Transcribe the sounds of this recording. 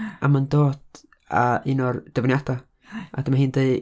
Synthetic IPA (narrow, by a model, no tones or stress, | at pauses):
ʔa̰mandoːd | a̰ɪnɔrd̥əvnjatʰa | a̰dəmaɦiːndej